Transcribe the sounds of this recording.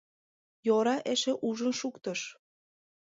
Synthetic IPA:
joɾɑʔeʃeʔuʒənʃukt̪əʃ

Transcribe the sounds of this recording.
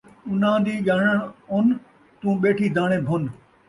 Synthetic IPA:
ʊnãd̪iːʄaːɽəɽɦʊn̆ | t̪ũːɓeːʈʰiːd̪ʱaːɽ̃ebʱʊn

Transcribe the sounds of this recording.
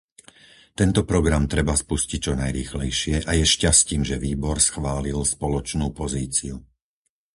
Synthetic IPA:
t̪ɛnt̪ɔpɾɔɡɾamt̪ɾɛbaspuscic̚t͡ʃɔnajɾiːxlɛjʃɪɛʔajɛʃcasciːmʒɛʋiːbɔɾsxʋaːlilspɔlɔt͡ʃnuːpɔziːt͡siu

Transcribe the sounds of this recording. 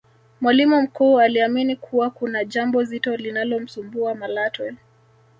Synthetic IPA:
mwalimum̩kuːaliaminikʰuwakunaʄambɔzitɔlinalɔm̩sumbuamalatwɛ

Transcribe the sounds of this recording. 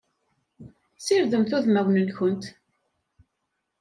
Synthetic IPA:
sɪɾðəmθʊðmæwnənçʊnt̪

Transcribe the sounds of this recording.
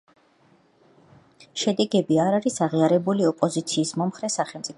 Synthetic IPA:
ʃɛd̪ɛɡɛbiaɾaɾisaʁiaɾɛbuliɔpʼɔzit̪sʰiːsmɔmχɾɛsaχɛlˠmt̪sʼip

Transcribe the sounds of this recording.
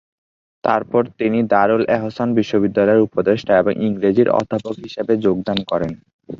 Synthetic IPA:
t̪aɾpɔɾt̪inid̪aɾulɛɦosanbiʃːobid̪ːalɔeɾupod̪eʃʈʰaeboŋʔiŋɾed͡ʑiɾɔ̰d̪ʱːapokɦiʃebed͡ʑoɡd̪ankɔɾen

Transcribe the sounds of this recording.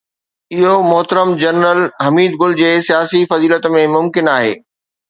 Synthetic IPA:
ɪɦomʊɦt̪əɾəmd͡ʑɐnɾəlɦɐmiːd̪̚ɡʊld͡ʑeːsijaːsifɐziːlət̪mẽmʊmkɪnaːɦḛː

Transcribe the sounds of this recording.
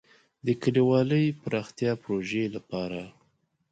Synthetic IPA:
d̪əkəliwɑləjpɾɑxt̪jɑpɾoʒelapɑɾa

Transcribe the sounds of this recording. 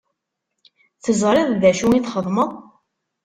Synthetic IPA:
θəzˤɾˤeðˤðæʃuiθχəðˤməðˤ

